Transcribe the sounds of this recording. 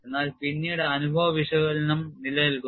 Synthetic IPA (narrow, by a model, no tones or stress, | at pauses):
e̞nːaːlpinːijuɽeɐnubʱɐʋɐʋiʂɐɣɐɭnɐmnilɐjilku